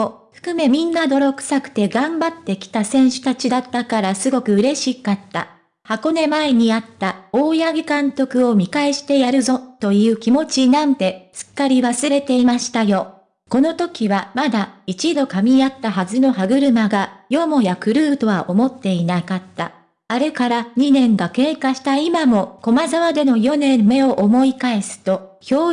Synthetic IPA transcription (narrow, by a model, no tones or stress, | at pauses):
oɸɯ̥kɯ̟me̞mʲĩnːad̪o̞ɾo̞kɯ̟̥sakɯ̟̥t̪e̞ɡãmbat̪ːe̞kʲi̥t̪asẽ̞ɰ̃ɕɨ̥t̪at͡ɕid̪at̪ːakaɾasɨɡo̞kɯ̟ɯ̟ɾe̞ɕikat̪ːa̰ | hako̞ne̞maeɲ̟iat̪ːao̞ːjaɡʲikãnt̪o̞kɯ̟o̞mʲikaeɕi̥t̪e̞jaɾɯ̟zo̞t̪o̞jɯ̟ːkʲimo̞t͡ɕinãnt̪e̞sɨ̥kːaɾʲiβasɨɾe̞t̪e̞imaɕi̥t̪ajo̞ | ko̞no̞t̪o̞kʲiβamad̪ait͡ɕid̪o̞kamʲiat̪ːaɦazɨno̞ɦaɡɯ̟ɾɯ̟maɡajo̞mo̞jakɯ̟ɾɯ̟ːt̪o̞βaʔo̞mo̞t̪ːe̞inakat̪ːa̰ | aɾe̞kaɾaɲ̟inẽ̞ŋɡake̞ːkaɕi̥t̪aimamo̞ko̞mazaβad̪e̞no̞jo̞nẽ̞mːe̞oʔomo̞ikae̞sɨ̥t̪o̞çʲo̞ː